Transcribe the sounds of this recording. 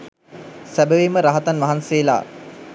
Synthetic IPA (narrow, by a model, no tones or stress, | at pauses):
sæbəʋiməɾaɦat̪anʋaɦanseːla̰ː